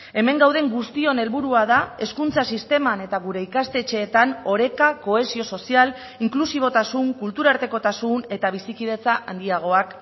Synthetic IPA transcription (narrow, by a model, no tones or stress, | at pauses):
e̞me̞ŋɡawð̞e̞ŋɡust̪io̞ne̞lβuɾuað̞ae̞skunt͡sasist̪e̞mane̞t̪aɣuɾe̞ikast̪e̞t͡ʃe̞ːt̪ano̞ɾe̞kako̞e̞sio̞so̞sial | iŋklusiβ̞o̞t̪asuŋkult̪uɾaɾt̪e̞ko̞t̪asune̞t̪aβ̞isikið̞e̞t͡saʔand̪iaɣ̞o̞ak